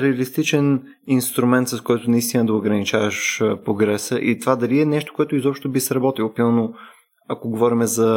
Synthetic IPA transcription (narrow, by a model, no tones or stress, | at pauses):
ɾɛɐlist̪it͡ʃɛn | inst̪ɾumɛnt̪sɐskɔjt̪ʊnɐist̪inəd̪ɐʊɡɾɐnit͡ʃavəʃpɾoɡɾɛsəʔḭt̪ovad̪ɐliɛnɛʃt̪o̥koɛt̪oizɔpʃt̪obisɾɐbɔt̪ilˠopɾimɐno | akoɡovɔɾimɛzɐ